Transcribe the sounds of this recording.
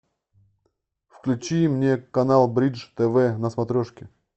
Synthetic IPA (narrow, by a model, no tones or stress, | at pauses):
fklʲʉt͡ɕimnʲekɐnalˠbɾʲiʐt̪ɛvɛnəsmɐt̪ɾʲoʂkʲɪ